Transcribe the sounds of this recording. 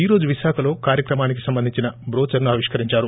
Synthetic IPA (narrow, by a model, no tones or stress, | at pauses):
iːɾo̞ːd͡ʒuʋiʃaːkʰɐlo̞ːkaːɾjɐkɾɐmaːnik̬isɐmbɐnd̪iɲt͡ʃinɐbɾoːt͡ʃɐɾnuɐːʋiʂkɐɾiɲt͡ʃaːɾu